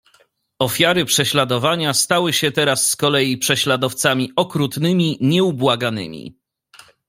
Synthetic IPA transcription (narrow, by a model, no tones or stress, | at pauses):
ɔfʲjaɾɘpʂɛɕlad̪ɔvaɲast̪awɘɕɛt̪ɛɾasːkɔlɛjipʂɛɕlad̪ɔft̪samʲiɔkɾut̪nɘmʲiɲɛubwaɡanɘ̰mʲḭ